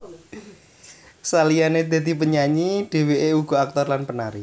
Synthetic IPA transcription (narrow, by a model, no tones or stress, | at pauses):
salijaned̪̥e̤d̪ipəɲaɲiɖ̥e̤weʔeuɡ̥ɔ̤ak̚t̪ɔrlanpənaɾḭ